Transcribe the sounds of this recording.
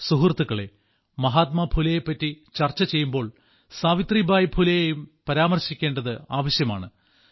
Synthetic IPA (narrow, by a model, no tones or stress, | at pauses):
suɦurt̪ːuɣɐɭe̞ | mɐɦaːt̪̚mɐbʱulɐjepːɐtːit͡ɕɐrt͡ɕːɐt͡ɕe̞jːumbo̞ːɭ | saːʋit̪ribaːjbʱulɐjejumpɐɾaːmɐrɕikʲːe̞ːɳɖɐðɨaːʋɐɕjɐma̰ːɳɨ